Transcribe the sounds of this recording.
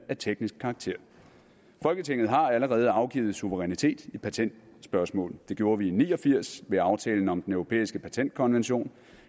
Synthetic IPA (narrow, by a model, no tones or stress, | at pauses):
æɐt͡sʰeɡ̥nisɡ̥̚kʰɑ̈ːɡ̥̚t͡sʰe̝ɐ̰ | fɒ̽lɡ̥ət͡sʰe̝ŋ̰ð̩ˠɦɑ̈æləʁɛːð̞̩ˠɑ̈ʊɡ̥ḭːð̩ˠsuʋəʁɛnit͡sʰe̝̰ːd̥ipʰæt͡sʰen̰d̥sb̥ɶɐsmɔ̰̽ːld̥e̝ɡ̥jo̝ːɐʋiːniːɒ̽fiɐ̰sʋe̝ɑ̈ʊt͡sʰɛ̰ːln̩ɒ̽md̥enœʊʁo̝pʰḛːisɡ̥əpʰæt͡sʰen̰d̥̚kʰɒ̽nʋenɕo̝̰ːn